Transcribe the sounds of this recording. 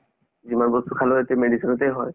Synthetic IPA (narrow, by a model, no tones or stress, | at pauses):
zimanbɔstukʰaloetɛmedisinɔtɛjɦɔj